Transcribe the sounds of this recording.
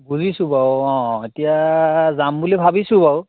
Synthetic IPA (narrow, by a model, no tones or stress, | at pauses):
buzisũbawɔ̃etijazambulibʱabisũbaw